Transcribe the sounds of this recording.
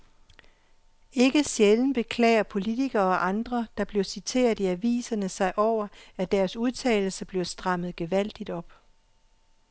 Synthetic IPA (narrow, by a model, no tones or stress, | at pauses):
e̝ɡ̥əsjeln̩b̥e̝kʰlɛ̰ːɪɐpʰo̝lit͡sʰiɡ̥ɐ̽ːʔɑ̈nd̥ʁɐd̥ɑ̈b̥liɐsit͡sʰe̝̰ːɐð̩ˠiæʋḭːsɐnəsɑ̈ɪʔɒʊ̰ɐæd̥æɐsuð̞ˠt͡sʰɛ̰ːl̩səb̥liɐsd̥ʁɑ̈m̰ð̩ˠɡ̥e̝ʋæl̰d̥id̥ɒ̽b̥